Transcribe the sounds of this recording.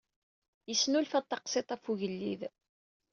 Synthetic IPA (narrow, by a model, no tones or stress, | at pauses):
jəsːnulfæt̪ˤːɑqset̪ˤæfuʝəlːið